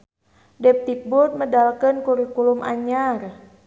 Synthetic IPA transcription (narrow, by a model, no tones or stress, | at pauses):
dɛp̚t̪ik̚bʊt̪̚mədalkənkuɾikulʊmʔa̰ɲar